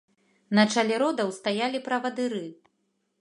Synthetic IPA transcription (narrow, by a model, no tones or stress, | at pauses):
nɐt͡ʂalʲɛɾɔd̪ɐwst̪ajalʲipɾɐvɐd̪ɨɾɨ